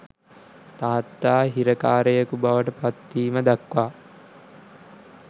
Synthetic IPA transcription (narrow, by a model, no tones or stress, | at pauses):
t̪aːat̪ːaːɦiɾəkaːɾəjəkubaʋəʈəpat̪ːiːməd̪akʋaː